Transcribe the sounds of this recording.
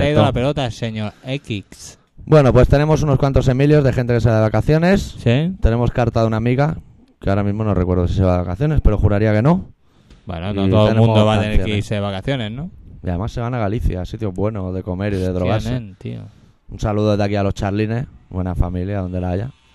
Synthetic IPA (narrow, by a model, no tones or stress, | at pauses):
aiðalapelot̪aseɲoɾekiks | bwe̞no̞pwe̞st̪e̞ne̞mo̞s̬uno̞skwant̪ose̞miljo̞zðe̞xe̞nt̪ekseβaðeakaθjo̞ne̞ssit̪e̞ne̞mo̞skaɾt̪aðunamiɣa | keaoɾamizmo̞norekwe̞ɾðos̬iseβaðeakaθjo̞ne̞spe̞ɾo̞xuɾaɾiake̞no̞ | bwḛnonot̪ooenemũnmd̪oβat̪eeɾjoseeβakaθjoneznoija̰ðe̞masːe̞βanaɣ̞aliθjasit̪joβwe̞no̞ðe̞ko̞me̞ɾiðe̞ðɾo̞ɣaɾsent̪ḭo̰ | unsaluðoðakialo̞st͡ʃaɾline̞sβbwe̞nafamiljaðo̞nd̪e̞laaʝa